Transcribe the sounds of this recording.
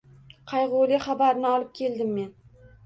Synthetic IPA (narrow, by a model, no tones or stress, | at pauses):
qʰɑjʁʊlɪχabaɾnɪɒlˠɪp̚kʲʰeld̪ɪmːe̞n